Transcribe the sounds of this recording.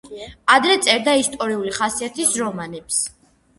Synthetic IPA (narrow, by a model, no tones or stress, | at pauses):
ad̪ɾɛt̪sʼɛɾd̪aist̪ʼɔɾiuliχasiat̪ʰisɾɔmanɛps